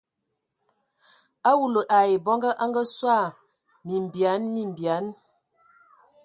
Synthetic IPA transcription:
a˦wu˨lə˨ʔa˨je˨bɔ˦ŋɡə˦ʔa˦ŋɡə˦swa˦˨ | mi˨m˨bja˨˦nmi˨m˨bja˨˦n

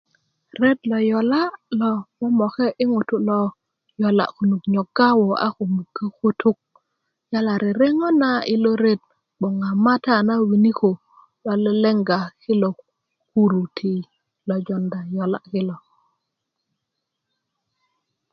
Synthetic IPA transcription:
ɾe˦tlɔ˨jɔ˨la˦lɔ˨mɔ˦mɔ˨kɛ˦ʔɪ˦ŋu˨tu˦lɔ˦ | jɔ˨la̰˨ku˨nu˨kɲɔ˨ɡa˦wo˨a̰˦ko˨mu˨ɡe˦ku˦tu˦k̚ | ja˦la˨ɾɛ˨ɾe˦ŋɔ˦na˦ɪ˦lo˦ɾe˦t̚ | ɓɔ˨ŋa˨ma˦ta˦˨na˦wi˨ni˦ko˨ | lɔ˨lɛ˦lɛ˦ŋɡa˨kɪ˦lɔ˨ | ku˦ɾu˨tʰi˨ | lɔ˨d͡ʒɔ˨nda˨jɔ˨la̰˦˨kɪ˦lɔ˨

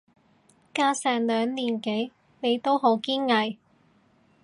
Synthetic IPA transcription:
kaː˧sɛː˨ŋlœː˨˧ŋliː˨˩nke˨˥j | ne˨˧jt̪o˥wɦo˨˧˥wkiː˥nŋɐ˨˩j

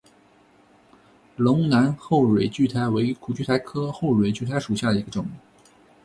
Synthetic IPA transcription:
lʊ˧˥ŋna˧˥nxo˥˩ʊɻwe˨˩ɪt͡ɕy˥˩t̪ʰa˧˥ɪwe˧˥ɪy˥kʰu˨˩t͡ɕy˥˩t̪ʰa˥ɪkʰɤ˥xo˥˩ʊɻwe˨˩ɪt͡ɕy˥˩t̪ʰa˧˥ɪʂu˨˩ɕja˥˩d̪ə˩i˧˥ɡə˧ʈ͡ʂʊ˨˩˦ŋ

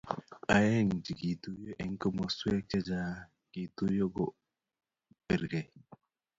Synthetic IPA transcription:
a˨˦je˦˨ŋd͡ʒi˨ɡi˨tu˦jo˦ʔɛ˨ŋ˦kə˦mo˨swe˦t͡ʃe˦d͡ʒa˦ | ɡ̥i˨to˦jo˦ɡo˦˨ | pe˨ɾɡe˨

